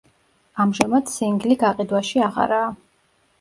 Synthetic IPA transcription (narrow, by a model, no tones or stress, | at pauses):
amʒamad̪siŋɡliɡaqʼid̪waʃiaʁa̰ɾaː